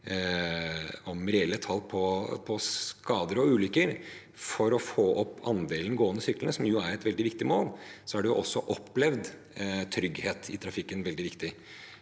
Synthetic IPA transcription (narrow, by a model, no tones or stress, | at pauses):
ɔmɾɛɛlːət̪ʰɑlːpʰɔpʰɔskɑːd̪əɾɔʉːlʏkːəɾ | fɔɾɔfoːʔɔpːɑnd̪eːlən̩ɡoːənəsʏklənəsɔmjʊæɾɛt̪ʋɛld̪ɪʋɪkt̪ɪmoːlsɔæɖʉjʊ̰ʔɔsːɔʔɔpːlɛʋd̪ | t̪ʰɾʏɡheːt̪ʰɪ̰t̪ʰɾɑfɪkːənʋɛld̪ɪʋɪkt̪ɪ